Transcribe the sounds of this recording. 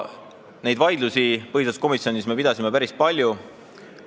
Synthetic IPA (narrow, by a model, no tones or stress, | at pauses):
ne̞jd̪vɑjd̪lusipɤhisesko̞misjo̞nisme̞pid̪ɑsʲime̞pæɾispɑlʲju